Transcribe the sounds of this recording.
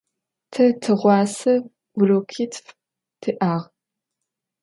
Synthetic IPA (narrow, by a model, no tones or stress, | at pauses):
tʰɐtʰɨʁʷɑːsɐ | wloːkʰiːtʰf | tʰɨʔaːʁ